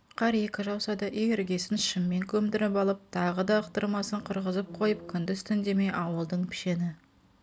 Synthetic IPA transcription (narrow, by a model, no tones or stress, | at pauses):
qʰɑɾje̞kʲɪʒɑwsɑd̪ɑʔejʲɪɾɡʲe̞sɪnʃɪmːe̞ŋkʲʰɵmd̪ɪɾɪpɑlˠəp̚t̪ʰɑʁəd̪ɑːqt̪əɾmɑsəɴqʰəɾʁəzəp̚qʰo̞jəp̚kʲʰʏnd̪ɪst̪ɪnd̪e̞me̞jʔɑwəlˠd̪əɴpʰɪ̥ʃe̞nɪ